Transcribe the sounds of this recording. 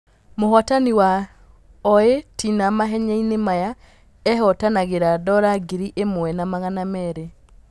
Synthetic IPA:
mohɔtaniwa | ɔetʰinamaɦɛɲɛinemaja | ɛɦɔtanaɣeɾadɔɾaɡiɾiʔemwɛnamaɣanamɛɾe

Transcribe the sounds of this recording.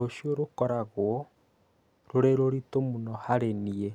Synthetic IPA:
oʃioɾokɔɾaɣwɔ | ɾoɾeɾoɾitomunɔhaɾenie

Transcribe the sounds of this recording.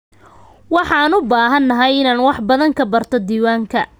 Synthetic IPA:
wɑħɑːnʊbaːɦɐnːɐɦɐjɪnaːnwɑħbɐðɐŋkʰɐbɐrt̪ʰɔd̪iːwaːŋkʰɐ

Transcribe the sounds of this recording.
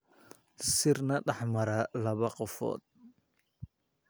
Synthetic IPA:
sɪrnɐɖɑħmɐɾɐlɐβɐqɔfɔ̰ːd̪̚

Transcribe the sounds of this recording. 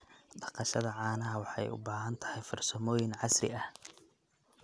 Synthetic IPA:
ɖɑqɑʃɐðɐʕɑːnɐɦɐwɑħɑ̰jʊ̰baːɦɐnt̪ʰɐ̥hɛjfɐrsɐmɔːjɪnʕɑsrɪ̰ɐh

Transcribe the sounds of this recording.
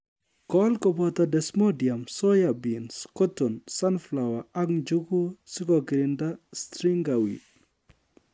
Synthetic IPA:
kɔlkɔbɔtadɛsmɔdijamsɔjabinskɔtɔnsanflawaaŋd͡ʒuɡusikɔɡɾindastɾiŋɡawḭ

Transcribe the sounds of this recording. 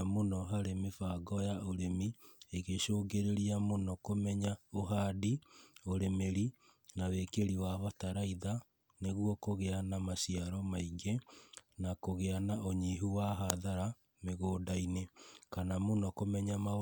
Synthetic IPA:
amonɔɦaɾemefaɡɔjaoɾemieɣeʃoːɡeɾeɾiamonɔkomɛɲaoɦaːdioɾemeɾi | nawekeɾiwaβataɾaiða | neɣwɔkoɣeanamasiaɾɔmaiŋɡenakoɣeanaoɲiɦuwaɦaðaɾa | meɣoːdainekanamonɔkomɛɲama

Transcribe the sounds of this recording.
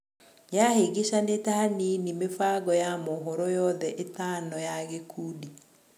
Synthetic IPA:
jaheɡeʃanetahaninimefaɣɔjamɔɦɔɾɔjɔðɛʔetanɔjaɣekʰuːdi

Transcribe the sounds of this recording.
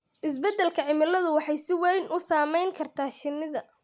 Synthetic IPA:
ʔɪs̬bɛd̪ːɛlkʰɐʕɪmɪlɐðʊwɑħɑjsɪwɛjnʔʊsaːmɛjŋkʰɐrt̪ʰaːʃɪnɪðɐ

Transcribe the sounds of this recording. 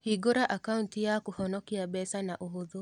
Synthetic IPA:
hiɡoɾaʔakauntijakuhɔnɔkiabɛsanaʔoɦoðo

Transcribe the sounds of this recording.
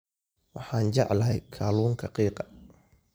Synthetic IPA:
wɑħɑːnt͡ʃɑ̰ʕlɐɦɛjkʰaːluːŋkʰɐqiːqɑ̥

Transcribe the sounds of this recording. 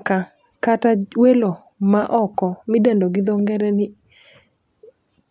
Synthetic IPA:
ka | katawelo | maʔɔkɔmɪdendoɡɪd̪ɔŋɡɛɾɛnɪ

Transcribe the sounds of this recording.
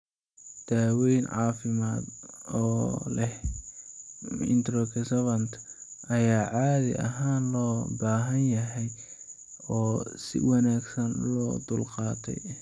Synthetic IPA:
d̪̥aːwɛjnʕɑ̰ːfɪmaːd̪ɔːlɛh | ɪ̰nt̪ɾɔkʰɛsɐβɐnt̪ʰʔɐjaːʕaːðɪ̰ʔɐ̰ɦaːnlɔːbaːɦɐnjɐɦɛj | ɔːsɪ̰wɑnaːɡsɐnlɔːd̪ʊlqɑːt̪ʰɛ̰j

